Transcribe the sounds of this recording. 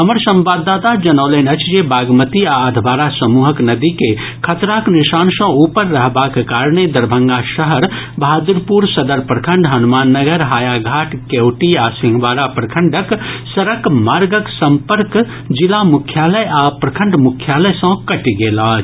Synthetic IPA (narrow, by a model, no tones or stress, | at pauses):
ɦəməɾsə̃mbad̪ːat̪ad͡ʒənəʊləɪnət͡ʃʰd͡ʒebaɡmət̪iaəd̪ʱbaːɾasəmuɦəknəd̪ike | kʰət̪ɾaknisaːnsə̃upəɾːəɦbakekaɾɳed̪əɾbʱə̃ŋɡaʃəɦəɾ | bad̪uɾpuɾsəd̪əɾpɾəkʰəɳɖɦɐnumaːnːəɡəɾɦaːjaɡʱaːʈkewʈiasĩŋɡʋaːɾapɾɐkʰəɳɖəksəɾəkmaːɾɡəksəmpəɾk | d͡ʒilamukʰjaləjapɾɐkʰəɳɖmukʰjaləjsə̃kɐʈiɡelat͡ʃʰ